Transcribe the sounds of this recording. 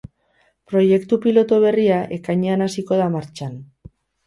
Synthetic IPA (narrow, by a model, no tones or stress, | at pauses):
pɾo̞je̞kt̪upilo̞t̪oβ̞e̞riaʔe̞kajɲeanasiko̞ðamaɾt͡ʃan